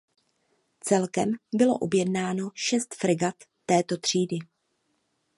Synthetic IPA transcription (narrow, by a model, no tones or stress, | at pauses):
t͡sɛlkɛmbɪlo̞̰ʔobjɛdnaːno̞ʃɛst̪fɾɪɡat̪ːɛːt̪o̞t̪r̝̥iːdɪ